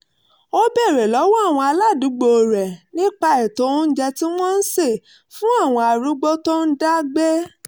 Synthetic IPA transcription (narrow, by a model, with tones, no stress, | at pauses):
o˦bɛ˦˨ɾɛ˨lɔ˨˦wɔ˦a˦˨w̃ɔ̃˧a˧la˦˨du˨˦ɡ͡bo˧˨ɾɛ˨nĩ˦k͡pa˧ɛ˨tõ˨˦n̩˦d͡ʒɛ˧ti˦w̃ɔ̃˦n̩˦se˦˨ | fũ˦a˦˨w̃ɔ̃˧a˧ɾu˦ɡ͡bɔ˦tɔ̃˦n̩˦da˦ɡ͡bɛ˦